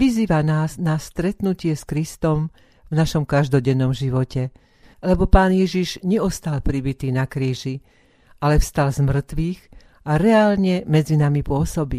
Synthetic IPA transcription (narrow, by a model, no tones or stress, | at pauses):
ʋiziːʋanaːsnast̪ɾɛt̪nucɪɛskɾist̪ɔm | vnaʃɔmkaʒd̪ɔɟɛnːɔmʒiʋɔcɛ | lɛbɔpaːnjɛʒiʒɲɛɔst̪alpɾibit̪iːnakɾiːʒi | ʔalɛfst̪alzmr̩t̪ʋiːɣ | ʔaɾɛaːlɲɛmɛd͡zinamipʊɔsɔbi